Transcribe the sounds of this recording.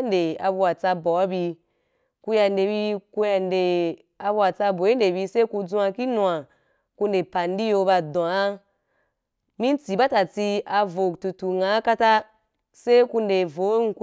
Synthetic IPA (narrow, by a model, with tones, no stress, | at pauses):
n˦de˨a̰˧bu˧a˨t͡sa˧bɔ˨a˦bi˧ | ku˧ja˧n˦de˨bi˧ku˧ja˧nde˨ | a˧bu˧a˨t͡sa˧bo˨˦i˦n˦de˨bi˧se˦ku˧d͡zũ˦˧a˧ki˦nũ˧a˨ | ku˧nde˨pa˨n˦di˦jo˧ba˧dɔ̃˨a˦ | mĩ˦n˦t͡si˨ba˦ta˨t͡si˧a˧vo˨ktu˨tu˨ŋa˨˦ka˦ta˦ | se˦ku˧nde˨vo˨˦ŋ̩˨˦ku˧˦